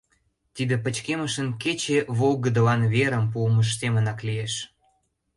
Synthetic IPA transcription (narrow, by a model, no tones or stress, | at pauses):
t̪id̪epət͡ɕkeməʃənket͡ɕeβolɣəd̪əlɑnβeɾəmpuəməʃ̬semənɑklieʃ